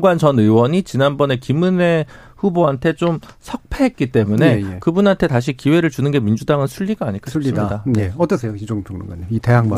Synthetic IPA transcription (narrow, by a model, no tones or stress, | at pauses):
ŋɡwant͡ɕʌnɯwʌɲit͡ɕinanbʌne̞kimune̞ | ɸuboɦantʰe̞t͡ɕomsʰʌk̚pʰeɦet̚k͈it͈e̞mune̞kɯbunɦantʰe̞taɕ̬ʰikiwe̞ɾɯɭt͡ɕunɯnɡe̞mind͡ʑudaŋɯnsʰuʎːiɡaːɲiɭk͈auʎːidadaeʌt͈ʌsʰejoid͡ʑoŋpʰjoŋno̰ŋɡwaɲiiteɦaŋma